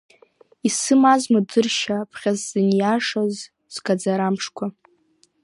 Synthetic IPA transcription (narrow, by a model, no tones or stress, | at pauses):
isɨmazmadɨrʃapʰχʲazːɨnjaʂaz | z̥ɡad͡zaɾamʂkʷʰa